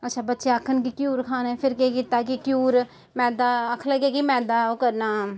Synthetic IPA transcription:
ətːʃʰaːbətːʃeːəkʰːənk̬ikjuːɾkʰaːneːpʰɪɾkekɪt̪aːkikjuːɾ | mɛːd̪aːəkʰləɡeːkimɛːd̪aːokəɾnaː

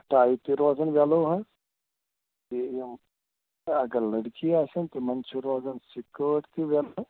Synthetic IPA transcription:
ʈaːit̪iɾoːzənʋaːloːɦɛ | t̪i | ɐɡəɾlɐɽkiaːsənt̪emɐnt͡ʃʰuɾoːzənsɪkəːʈt̪iʋɛːlo

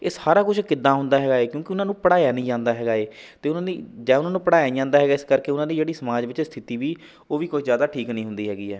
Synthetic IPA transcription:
eːshaːɾaːkʊt͡ʃʰkɪd̪ːãːɦʊnd̪aːɦɛːɡaːeːkjõːkɪʊnãːnũːpəɽaːjaːnĩːd͡ʒãːnd̪aːɦɛːɡaːeːt̪eːʊnãːd̪iːd͡ʒɛːʊnãːnũːpəɽaːjaːd͡ʒãːnd̪aːɦɛːɡaːɪskəɾkeːʊnãːd̪iːd͡ʒeːɽiːsəmaːd͡ʒʋɪt͡ʃst̪ʰɪt̪iːʋiː | oːʋiːkoːizjaːd̪aːʈʰiːknĩːɦʊ̃nd̪iːɦɛːɡiːɛː

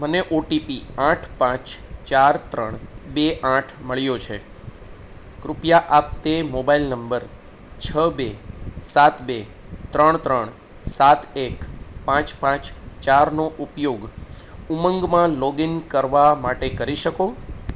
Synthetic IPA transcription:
məneʔoʈipiaʈʰpãt͡ʃt͡ʃaɾt̪ɾəɳbeʔaʈʰməɭjot͡ʃʰe | kɾʊpjaʔap̚t̪emobailnəmbəɾ | t͡ʃʰəbesat̪be | t̪ɾəɳ̃t̪ɾəɳ | sat̪ekpãt͡ʃpãt͡ʃt͡ʃaɾnoʔupjoɡ | uməŋɡmãlɔɡiŋkəɾʋamaʈekəɾiʃəko

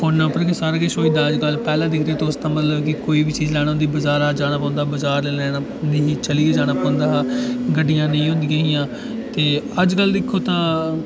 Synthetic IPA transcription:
foːnːãːpəɾkesaːɾaːkɪʃoːĩːd̪aːəd͡ʒkəlpɛːlãːd̪ɪkʰɾeeːt̪õʊsd̪ãːmət̪ləbkɪkoːiːbiːt͡ʃiːzlɛːɽ̃ãʊːd̪iːbəzaːɾaːd͡ʒaːɽ̃aːpɔ̃ːnd̪aːbəzaːɾlɛlɛːa | d̪iːit͡ʃəlied͡ʒaːɽ̃aːpɔ̃ːnd̪aːɦaɡəɖːɪjãːnəĩːɦʊ̃nd̪iːəɪjãː | t̪eːəd͡ʒkəld̪ɪkʰːoːt̪ãː

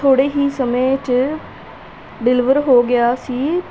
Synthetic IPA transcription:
oːɽeːɦiːsəmẽːt͡ʃ | ɖɪlɪʋəɾɦoːɡɪjaːsiː

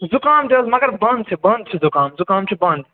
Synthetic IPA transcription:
zʊkaːmd̪eːlmɐɡɐɾbɐ̃nd̪̚t͡ʃʰibɐ̃nd̪̚t͡ʃʰizʊkaːmzʊkaːmt͡ʃʰibɐ̃nd̪

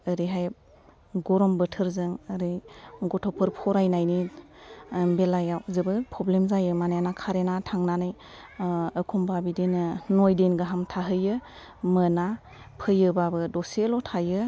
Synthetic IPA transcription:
əɾiɦaj | ɡɔɾɔmbɯtʰɯɾzɯŋəɾɯjɡɔtʰɔpʰɯɾpʰɔɾajnajni | belajawzɯbɯpʰɾɔblemzajɯmanajanakʰaɾenatʰaŋnanɯj | əkʰumbabidenɯnojdenɡaɦamtʰaɦɯjɯ | məna | pʰɯjɯbabɯdɔselɔtʰajɯ

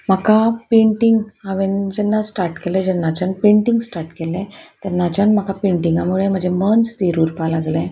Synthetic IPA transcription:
m̤akapeɳʈiŋɡaʋend͡ʑɛnːasʈaɾʈkeled͡ʑɛnːat͡ɕanpẽɳʈiŋɡsʈaɾʈkelẽt̪əɾnat͡ɕanm̤akapẽɳʈiŋɡamuɭem̤ə̃ɳd͡ʑʱemənst̪iɾuːɾpalaɡlẽ

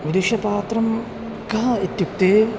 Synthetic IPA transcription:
ʋid̪uʃɐpaːt̪ɾɐm | kɐɦɐit̪juk̚t̪eː

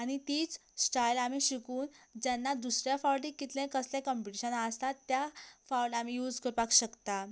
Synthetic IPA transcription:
aɽ̃it̪iːt͡ssʈajlamiɕikuːnd͡ʑjanːad̪usɾjafawʈikːit̪lẽkəslẽkəmpiʈiɕənəst̪at̪ːjafawɖamijuːd͡zkəɾpakɕəkt̪a

